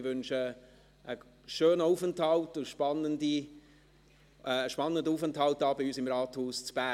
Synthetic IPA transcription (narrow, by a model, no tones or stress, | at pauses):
ʋʏnʃə | ʔə | ʃøːnəufənthɑltʊʃpɑnːəndi | ʃpɑnːəndəuːfənthɑltɑːbɪyːsɪmrɑːthuːst͡sb̥æ